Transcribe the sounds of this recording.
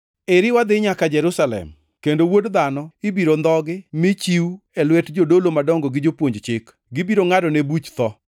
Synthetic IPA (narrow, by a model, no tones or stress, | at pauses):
eɾɪwad̪ɪɲakad͡ʒɛɾusalɛ̰m | kendowodd̪anɔɪbiɾond̪ɔɡɪmɪt͡ʃiuɛlwɛtd͡ʒodolomadɔŋɡɔɡɪd͡ʒopwoɲd͡ʒt͡ʃɪk | ɡɪbiɾoŋadɔnebut͡ʃt̪ɔ